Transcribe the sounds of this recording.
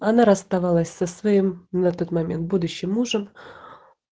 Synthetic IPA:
ɐnaɾəst̪ɐvɑlˠəsʲsəsvɐimnɐt̪ot̪mɐmʲent̪̚bud̪ʊɕːɪmːuʐəm

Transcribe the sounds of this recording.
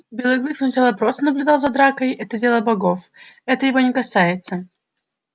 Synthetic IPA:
bʲelˠɨɡlˠɨksnɐt͡ɕalˠəpɾost̪ənəblʲʉd̪alˠzɐd̪ɾakəjɛt̪ədʲe̞lˠəbɐɡo̞fɛt̪əjɪvo̞nʲɪkɐsajɪt̪sə

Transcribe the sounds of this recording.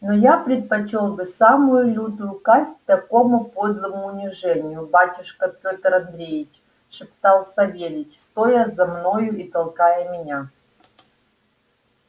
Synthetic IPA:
nojapɾʲɪt̪̚pɐt͡ɕolˠbɨsamʊjʊlʲud̪ʊjʊkasʲt̚ʲt̪ɐko̞mʊpod̪lˠəmʊːnʲɪʐɛnʲɪjʊbatʲʊʂkəpʲot̪əɾɐnd̪ɾʲejɪt͡ɕ | ʂɨpt̪alˠsɐvʲelʲɪtʲst̪ojəzɐmnojʊit̪ɐlˠkajəmʲɪnʲa

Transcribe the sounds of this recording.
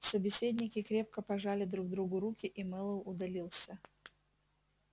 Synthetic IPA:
səbʲɪsʲed̪ʲnʲɪkʲɪkɾʲe̞p̚kəpɐʐalʲɪd̪ɾuɡ̚d̪ɾuɡʊɾukʲɪʔimɨlˠəʊd̪ɐlʲilˠsʲə

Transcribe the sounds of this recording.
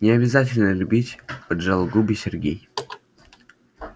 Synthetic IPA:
nʲɪɐbʲɪzat̬ʲɪlʲnəlʲʊbʲitʲpədʐalˠɡubʲɪsʲɪrɡʲḛj

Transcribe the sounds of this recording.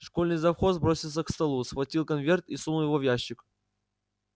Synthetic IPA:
ʂko̞lʲnɨjzɐfxo̞sbɾo̞sʲilˠs̬ʲəkst̪ɐlˠusxvɐtʲilˠkɐnvʲe̞rt̪isumˠjɪvovʲjaɕːɪk

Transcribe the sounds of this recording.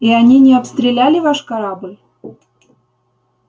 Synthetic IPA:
ianʲinʲeapst̪ɾʲelʲælʲivɑʃkaɾɑblʲ

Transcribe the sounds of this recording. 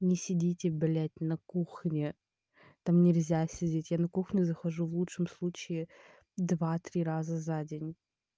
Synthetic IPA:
nʲɪsʲɪdʲitʲɪbʲɪlʲætʲnɐkuxnʲɪ | t̪amnʲɪlʲzʲasʲɪdʲetʲjanɐkuxnʲʊzəxɐʐuvlˠutʂɨmslˠut͡ɕɪɪ | d̪vat̪ɾʲiɾazəzadʲenʲ

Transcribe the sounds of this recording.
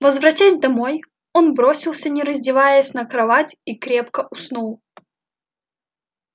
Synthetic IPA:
vəzvɾɐtʲasʲd̪ɐmo̞j | o̞nbɾo̞sʲɪlˠsʲənʲɪɾəzʲdʲɪvajəsʲnəkɾɐvatʲikɾʲe̞pkəʔʊsnulˠ

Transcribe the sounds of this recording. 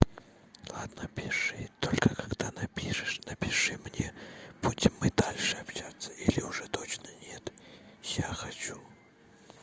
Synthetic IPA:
lˠad̪nəpʲɪʂɨt̪olʲkəkaɡd̪anɐpʲiʂɨʂnɐpʲɪʂɨmnʲeb̥utʲɪmːɨd̪alʲʂɨapɕat̪sːəilʲɪʊʐɛt̪ot͡ɕnənʲet̪jaxat͡ɕu

